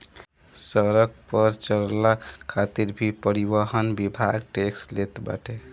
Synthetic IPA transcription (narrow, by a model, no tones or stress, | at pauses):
səɾək̚pəɾt͡ʃəllaat̪iɾbʱipəɾibəɦənbibʱaɡʈekslet̪ba̰ʈʰe